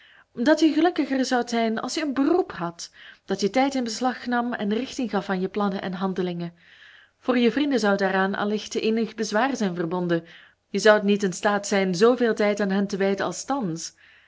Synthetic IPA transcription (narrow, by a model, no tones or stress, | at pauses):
dɑtjəɣəlɵkəxərzɑwtzɛjnɑ̰lˠsjəənbərupɦɑtd̥ɑtjətɛjtɪnbəslɑxnɑmɛ̰nrɪxtɪŋɣɑfaːnjəplɑnəʔɛ̰nɦɑndəlɪŋə | v̥oːrjəvrindəzɑwdaːɾaːnɑ̰lɪxteːnəxbəzʋaːrəzɛjnvərbɔndə | jəzɑwtnitɪnstaːtsɛjnzoːveːlˠtɛjtaːnɦɛntəʋɛjdəɑ̰lˠstɑns